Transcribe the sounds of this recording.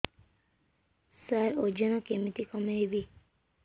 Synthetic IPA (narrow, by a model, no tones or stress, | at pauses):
saɾod͡ʒɔnɔkemit̪ikɔmeibi